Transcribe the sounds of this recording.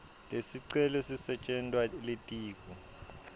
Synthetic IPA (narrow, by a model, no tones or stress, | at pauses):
lesiǀɛlɔsisɛt͡ʃʼɛntʼwaletʼiːk̬ʼɔ